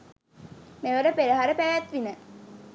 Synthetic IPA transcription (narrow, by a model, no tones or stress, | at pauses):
neʋəɾəpeɾəɦaɾəpæʋæt̪ʋinə